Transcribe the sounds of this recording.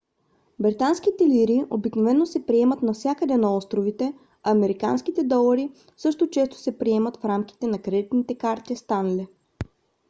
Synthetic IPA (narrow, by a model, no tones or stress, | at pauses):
bɾit̪ansk̟it̪ɛliɾiʔobiknovɛnːosɛpɾiɛmət̪nɐfsʲjakəd̪ɛnɐɔst̪ɾovit̪ɛ | ɐːmɛɾika̰nskit̪ɛd̪ɔlˠɐɾi | sɤʃt̪ot͡ʃɛst̪o̥sɛpɾiɛmət̪fɾamkʲi̥t̪ɛnɐkɾɛd̪it̪nit̪ɛkaɾt̪ist̪anlɛ